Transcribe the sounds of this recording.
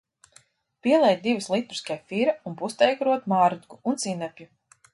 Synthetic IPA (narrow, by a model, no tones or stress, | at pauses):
piɛlˠɛjt̪̚d̪ivɨslˠit̪uɾu̥skajfiɾaunpust̪ɛjɡaɾuɔt̪maːɾud̪ɡuunt̪sinɛpʲju